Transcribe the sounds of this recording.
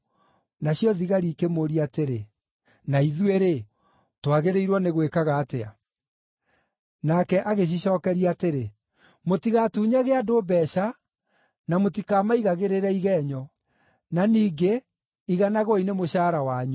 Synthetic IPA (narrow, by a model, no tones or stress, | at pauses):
naɕjɔðiɣaɾikemoɾiateɾe | naiðweɾe | twaɣeɾeiɾwɔneɣwekaɣaːtea̰ | nakɛʔaɣeɕ̬iɕɔːkɛɾiateɾe | motiɣatuːɲaɣeadobɛɕa | namotikaːmaiɣaɣeɾeɾɛiɣɛɲɔ | naniːɡe | iɣanaɣɔinemoɕaːɾawaɲu